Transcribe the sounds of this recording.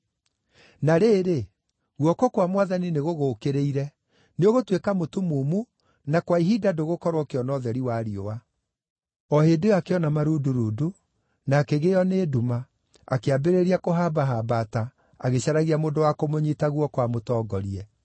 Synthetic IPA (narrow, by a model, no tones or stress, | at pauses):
naɾeːɾe | ɣwɔkɔkwamwaðanineɣoɣoːkeɾeiɾɛ | neoɣotwekamotumumu | nakwaiɦiːdadoɣokɔɾwɔkeɔnɔðɛɾiwaːɾiowa | ɔhedeakeɔnamaɾuduɾuːdu | naːkeɣejɔneːduma | akeabeɾeɾiakoɦaːbaɦaːbata | aɣeɕaɾaɣiamodowakomoɲitaɣwɔkwamotɔːɡɔɾiɛ